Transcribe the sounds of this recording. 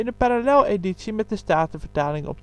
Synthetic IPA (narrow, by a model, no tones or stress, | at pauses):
ɪnəpaɾalɛlˠeditsimɛt̚dəstaːtəvəɹtaːlɪŋʔɔ̰p̚